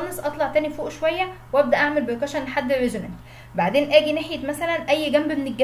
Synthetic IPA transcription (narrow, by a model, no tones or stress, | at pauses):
ɑnesʔɑt̪ˤlɑʕt̪æːnifoːʔʃowæjːæweʔæb̚d̪æʔaʕmelbekæʃænːħad̪ːerːeʒemæ̰nt̪ | baʕd̪eːnʔæːɡineħjet̪mæsælænʔæjːɡæmbmeneɡːæ